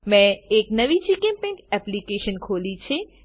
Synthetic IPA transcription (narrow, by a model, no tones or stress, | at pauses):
mẽeknəʋit͡ʃikẽnpẽɳʈɛplikeʃənkʰolit͡ʃʰe